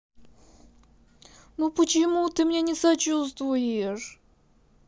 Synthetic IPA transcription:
nupət͡ɕɪmut̪ɨmnʲenʲɪsɐt͡ɕust̪vʊjɪɪʂ

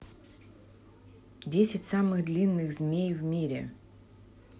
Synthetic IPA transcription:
dʲesʲɪtʲsamɨɣd̪lʲinːɨɣzmʲejvmʲiɾʲɪ̰

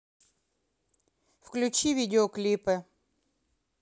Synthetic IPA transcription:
fklʲʉt͡ɕivʲidʲɪoklʲipɨ

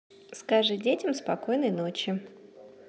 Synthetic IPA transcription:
skɐʐɨdʲetʲɪmspɐko̞jnəjnot͡ɕɪ

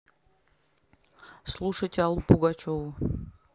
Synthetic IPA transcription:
slˠuʂəjtʲalˠupuɡat͡ʃovʊ

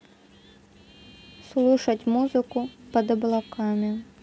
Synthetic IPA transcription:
slˠuʂɐtʲmuzɨkʊpɐd̪ɐblˠakamʲi

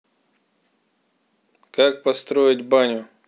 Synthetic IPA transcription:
kak̚pɐst̪ɾoɪtʲbanʲʊ

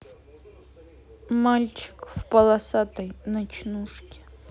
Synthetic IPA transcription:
malʲt͡ɕɪ̥kfpɐlˠɐsat̪əjnɐt͡ɕnuʂkʲɪ̥

